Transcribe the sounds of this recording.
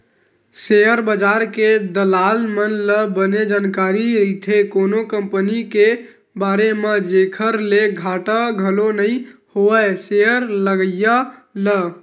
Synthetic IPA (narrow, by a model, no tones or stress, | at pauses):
sejəɾbəd͡ʒaɾked̪əlalmənləbəned͡ʒankaɾiɾit̪ʰekonokəmpənike | baɾemed͡ʒekʰəɾleɡʱaʈəɡʱəlonəihoəseəɾləɡəjalə